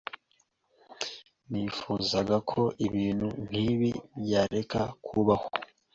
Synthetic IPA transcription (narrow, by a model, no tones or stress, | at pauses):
niːfuːzaɡakʰo̞ʔiβiːn̥hun̥hiβibjaːɾe̞kakʰuβaho̥